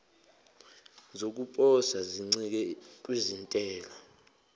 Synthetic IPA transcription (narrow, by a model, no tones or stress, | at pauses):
zok̬ʼupʼɔsaziŋ͡ǀik̬ɛk̬ʼwizintʼɛːlɔ